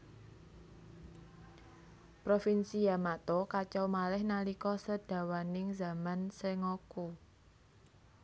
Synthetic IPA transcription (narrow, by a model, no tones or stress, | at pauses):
pɾofinsijamat̪okat͡ʃawmalɛhnalikɔsəd̥ä̤wanɪŋzamanseŋɔku